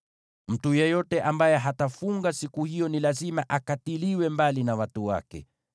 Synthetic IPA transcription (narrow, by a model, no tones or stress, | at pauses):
m̩tujɛjɔtɛʔambajɛɦatafuŋɡasikuhijɔnilazimaʔakatiliwɛmbalinawatuwa̰kɛ̰